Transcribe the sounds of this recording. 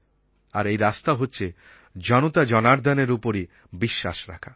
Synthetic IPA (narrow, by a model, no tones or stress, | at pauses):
aɾejɾast̪aɦotːɕʰe | d͡ʑɔnot̪ad͡ʑɔnaɾd̪ɛneɾupoɾi | biʃːa̰ʃɾa̰kʰa